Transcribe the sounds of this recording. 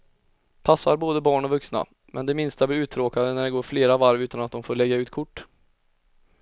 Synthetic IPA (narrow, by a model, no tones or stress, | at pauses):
pʰasːaɾboːd̪əbɑːɳɔvɵksna̰ | mʔɛ̰nd̪ɛmɪnst̪abɪʉ̟ːt̪ʰɾoːkad̪ənæɖɛɡoːɾfleːɾavaɾvʉ̟ːt̪anat̪̚d̪ɔmfoːɾɭɛɡːaʉ̟ːt̪̚kʰʊʈː